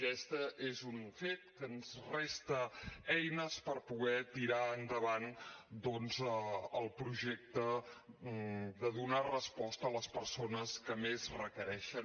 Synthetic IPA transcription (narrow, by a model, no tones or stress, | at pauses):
kɛst̪əʔezunfet̪kənzrɛst̪əɛjnəspəɾpuɣɛt̪iɾaənd̪əβand̪ɔnzəəlˠpɾuʒek̚t̪ə | d̪əðunarəspɔst̪əːləspəɾsonəskəmezrəkəɾɛʃə